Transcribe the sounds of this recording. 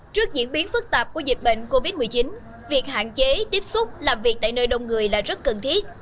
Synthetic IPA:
t͡ɕɨ˦˥ək̚zḭ˧˥nɓi˨˦ənfɨ˦˥k̚t̪aː˨˩p̚ku˧˩əzï̟˨˩ɓḛ˧˨ŋ̟ko˧vi˦˥t̚mɨ˨˩əjt͡ɕi˨˦n | vi˨˩ək̚ɦa̰ː˧˨nt͡ɕe˨˦t̪i˦˥əp̚sʊ˦˥k͡p̚laː˨˩mvi˨˩k̚t̪a̰ː˧˨jnəː˧jɗə˧wŋ͡mŋɨ˨˩əjlaː˨˩zə˦˥t̚kə˨˩nt̪ʰi˦˥ət̚

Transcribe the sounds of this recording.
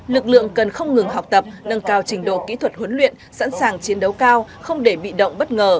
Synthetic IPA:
lɨ˨˩k̚lɨ̰˧˨əŋkə˨˩nxə˧wŋ͡mŋɨ˨˩ŋɦa˨˩wk͡p̚t̪ə˨˩p̚nə˧nkaː˧˩wt͡ɕï˨˩ŋ̟ɗo̰˧˨kḭ˧˥t̪ʰwə˨˩t̚hwə˨˦nlwḭ˧˨ənsa̰˧˥nsaː˨˩ŋt͡ɕi˨˦ənɗə˨˦wkaː˧wxə˧wŋ͡mɗe˧˩ɓḭ˧˨ɗə̰˧˨wŋ͡mɓə˦˥t̚ŋəː˨˩

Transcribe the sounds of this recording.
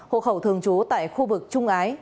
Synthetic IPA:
ho̰˧˨xə˧˩wt̪ʰɨ˨˩əŋt͡ɕu˨˦t̪a̰ː˧˨jxu˧vɨ˨˩k̚t͡ɕʊ˧ŋ͡mʔaː˨˦j

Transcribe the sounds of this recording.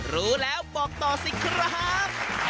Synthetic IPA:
ruː˦lɛː˦˥wɓɔː˧˩k̚t̪ɔː˧si˨˧kʰra˥p̚

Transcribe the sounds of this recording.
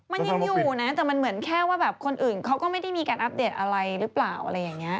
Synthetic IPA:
ma˧nnjaŋjuː˨˩˨na˦˥t̪ɛː˨˩ma˧nmɯ˩˦ənkʰɛː˥˩waː˥˩bɛː˨˩p̚kʰo˧nʔɯː˨˩nkʰa˦˥wkɔː˥˩ma˥˩jda˥˩jmiː˧kaː˧nʔa˦˥p̚deː˨˩t̪̚ʔa˧ɾa˧jɾɯ˦˥plaː˨˩wʔa̰˧ɾa˧jːa˨˩ŋːni˦˥ɐʔ

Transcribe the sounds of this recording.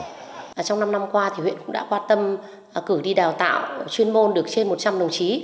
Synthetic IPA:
t͡ɕɔ˧wŋ͡mna˧mna˧mkwaː˧t̪ʰi˨˩wḭ˧˨ənkʊ̰˧˥ɗa̰ː˧˥kwaː˧nt̪ə˧m | kɨ˧˩ɗi˧ɗaː˨˩wt̪a̰ː˧˨wt͡ɕwi˧ənmo˧nɗɨ˨˩ək̚t͡ɕe˧nmo˨˩t̚t͡ɕa˧mɗə˨˩wŋ͡mt͡ɕi˨˦

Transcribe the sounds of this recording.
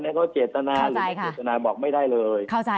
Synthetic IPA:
ni˥ɐkʰa˥wt͡ɕeː˨˩t̪ːa˧naː˧ɾɯː˨˦˥jkʰeː˨˥˩t̪̚ːa˧naː˧bɔː˨˩k̚ma˥˩jda˥˩jlɤː˧jkʰa˥˩wt͡ɕa˧

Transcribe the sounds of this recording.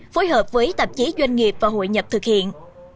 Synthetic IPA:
fo˨˦jɦəː˨˩p̚vəː˨˦jt̪ə˨˩p̚t͡ɕi˨˦zwa˧jŋ̟ŋi˨˩əp̚vaː˨˩ɦo̰˧˨jɲə˨˩p̚t̪ʰɨ˨˩k̚hḭ˧˨ən

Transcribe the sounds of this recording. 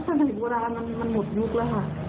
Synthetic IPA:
sʰa˧na˨˩jboː˧ɾaː˧ma˧nma˧nmo˨˩t̪̚ju˦˥k̚lə˦˥˦kʰa˧˩ʔ

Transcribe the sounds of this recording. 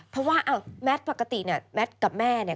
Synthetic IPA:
pʰɾɔ˦˥waː˥˩ʔaː˧˩mɛ˦˥t̪̚pa˨˩ka˧t̪i˨˩ni˧˩ɐmɛ˦˥t̪̚ka˨˩p̚mɛː˥˩ni˧˩

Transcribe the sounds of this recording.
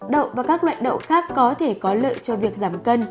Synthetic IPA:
ɗə̰˧˨wvaː˨˩kaː˦˥k̚lwa̰ː˧˨nɗə̰˧˨wxaː˦˥kːɔ˨˦t̪ʰe˧˩kɔ˨˦lə̰ː˧˨jt͡ɕɔ˧vi˨˩ək̚zaː˧˩mkə˧n

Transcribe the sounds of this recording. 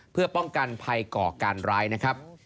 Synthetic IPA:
pʰɯ˥˩ɐpɔ˥˩ŋka˧npʰa˧jkɔː˨˩kaː˧nɾaː˦˥jna˦˥kʰɾa˦˥p̚

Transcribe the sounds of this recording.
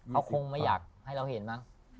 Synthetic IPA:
ka˦˥wkʰo˧ŋma˥˩jːaː˨˩k̚ha˥˩jɾa˧whe˨˩˦nma˦˥ŋ

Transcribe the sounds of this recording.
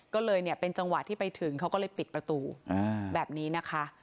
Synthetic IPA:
kɔː˥˩lɤː˧jni˥˩ɐpe˧nt͡ɕa˧ŋwa˨˩t̪ʰːiː˥˩pa˧jt̪ʰɯ˨˩˦ŋkʰa˦˥wkɔː˥˩lɤː˧jpi˨˩t̪̚pɾa˧t̪uː˧ʔbɛː˨˩p̚niː˦˥na˦˥kʰa˦˥ʔ

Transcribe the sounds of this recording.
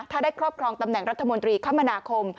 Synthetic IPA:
t̪ʰaː˥˩daː˥˩jkʰɾɔː˥˩p̚kʰɾɔː˧ŋt̪a˧mnɛ˨˩ŋɾa˦˥t̪ʰːa˧mo˧nt̪ɾiː˧kʰaː˦˥˩ma˧naː˧kʰo˧m

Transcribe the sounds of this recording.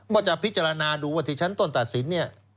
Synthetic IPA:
mɔː˥˩t͡ɕa˨˩pʰi˦˥t̪̚t͡ɕa˧ɾa˧naː˧duː˧waː˥˩t̪ʰiː˥˩t͡ɕʰa˦˥nt̪o˥˩nt̪a˨˩t̪̚si˩˦nːi˥˩ɐ

